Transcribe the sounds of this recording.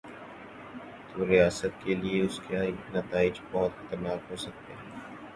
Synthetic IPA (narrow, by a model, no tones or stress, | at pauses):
t̪oːɾijaːsət̪̚kelieʊskaknɐt̪aːɪd͡ʒbɔɦt̪xɐt̪əɾnaːkɦoːsɐk̚t̪eɦɛ̃ː